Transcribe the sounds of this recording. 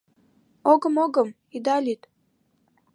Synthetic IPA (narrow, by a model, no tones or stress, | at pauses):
oɡɤ̆moɡɤm | id̪ɑlʲit̪